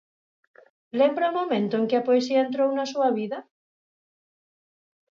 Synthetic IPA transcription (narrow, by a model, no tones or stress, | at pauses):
lembɾaomomẽnt̪ʊeŋkɪapoesiɐent̪̬ɾownasuɐβiðɐ